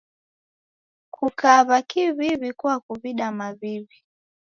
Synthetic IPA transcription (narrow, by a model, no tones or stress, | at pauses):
kʰukaβakiβiβikuwakuβiɗamaβiβi